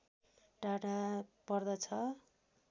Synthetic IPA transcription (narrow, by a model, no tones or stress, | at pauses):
ɖaɽapʌrd̪ʌt͡sʰʌ